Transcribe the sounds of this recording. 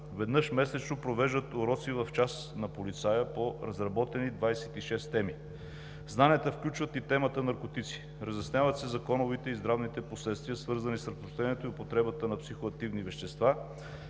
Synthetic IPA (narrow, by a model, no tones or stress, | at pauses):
vɛd̪nɤʃmɛsɛt͡ʃnopɾovɛʒd̪ət̪oɾɔt̪sivɐft͡ʃas | nɐpolit̪sajəpoɾɐzɾɐbɔt̪ɛnid̪vajsɛt̪iʃɛst̪ɛmi | znaniət̪əfklʲut͡ʃvət̪it̪ɛmət̪ənɐɾkot̪it̪si̥ | ɾəzɛsnʲavɐt̪sɛzɐkɔnʊvit̪ɛizd̪ɾavnit̪ɛposlɛt̪st̪viəsvɤɾzɐnisɾɐt̪ɾoʃt̪ɛniɛt̪oiopot̪ɾɛbət̪ənɐpsixoɐk̚t̪ivnivɛʃt̪ɛst̪va